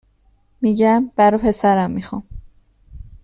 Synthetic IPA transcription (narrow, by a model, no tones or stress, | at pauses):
miɟæmb̥æɾopʰe̞sæɾæmːixɑm